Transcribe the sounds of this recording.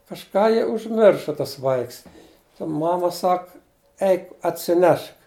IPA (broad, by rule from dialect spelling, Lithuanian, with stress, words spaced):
kɐʃˈkɑː jɪ ʊʒʲˈmʲɪrʃɐ tɐs ˈʋɐɪks tɐ ˈmɑːmɐ ˈsɐk ˈɛɪk ɐtʲsʲɪˈnʲɛʃk